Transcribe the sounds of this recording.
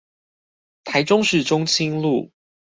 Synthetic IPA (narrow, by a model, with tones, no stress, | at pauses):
t̪ʰa˨˦ɪʈ͡ʂʊ˦ŋʂɻ̩˥˨ʈ͡ʂʊ˥ŋt͡ɕʰi˦ŋlṵ˥˨